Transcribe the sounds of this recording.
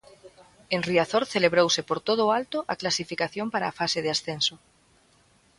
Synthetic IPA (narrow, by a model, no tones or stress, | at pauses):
enriaθoɾθeleβɾowsepoɾt̪oð̞ʊːalt̪oʔaklasifikaθjompaɾaːfaseðeasθenso